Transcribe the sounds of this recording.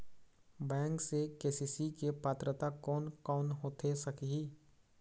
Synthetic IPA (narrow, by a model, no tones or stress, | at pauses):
bɛ̃ːŋksekeːsiːsikepaːt̪ɾət̪akɔːnkɔːnɦoːt̪ʰesɐkɦiː